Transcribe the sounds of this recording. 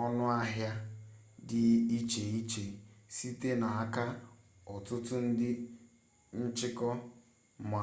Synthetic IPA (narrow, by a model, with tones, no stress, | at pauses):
ɔ˦nʊ˦a˦ɦja˦ | dɪ˦i˦t͡ʃe˨i˦t͡ʃe˨si˦te˦na˨a˦ka˦ | ɔ˨tʊ˦tʊ˦n̩˦dɪ˦ | n̩˦t͡ʃɪ˦kɔ˦ | ma˨